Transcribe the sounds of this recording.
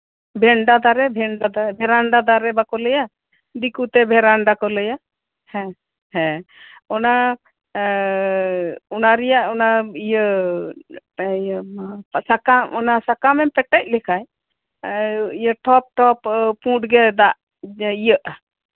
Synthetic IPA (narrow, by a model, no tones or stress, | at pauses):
bʱɛɳɖad̪aɾɛbʱɛɳɖad̪aɾbʱɛɾaɳɖad̪aɾɛbakɔlɛja | d̪ikut̪ɛbʱɛɾaɳɖakɔlɛja | hɛ̃ | hɛ̃ɔna | ɔnaɾɛjaʔɔnaijə | sakaɔnasakamɛmpɛʈɛc̚lɛkʰaj | ijəʈʰɔp̚ʈɔppũʈɡɛd̪aʔ | ijəʔ